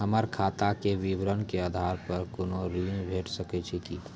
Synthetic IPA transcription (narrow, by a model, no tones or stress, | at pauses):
ɦəməɾkʰaːt̪akeʋiʋɾənkeaːd̪ʱaːɾpəɾkʊnoɾiːnbʱeːʈsəket͡ʃʰiki